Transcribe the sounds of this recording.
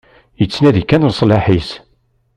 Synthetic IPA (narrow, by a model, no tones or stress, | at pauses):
jət͡sːnæðikːænmsˤlɑħis